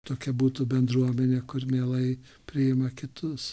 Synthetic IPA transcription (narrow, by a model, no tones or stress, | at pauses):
t̪oːkʲɛbuːt̪uːbʲɛnd̪ɾuɔmʲɛnʲeːkʊrmʲeːlˠɐɪ | pʲɾʲɪɪmɐkʲɪt̪ʊs